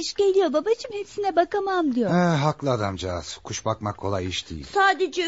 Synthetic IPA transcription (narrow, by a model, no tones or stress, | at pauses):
iʃɟe̞lʲijo̞babat͡ʃʰɯmhepsinɛbakamamd̪ijoɛɦaklˠɯad̪amd͡ʒaaz̥kʰuʃbakmakʰːo̞lˠajiʃd̪ḭjḭlsʲsaːd̪ed͡ʒɛ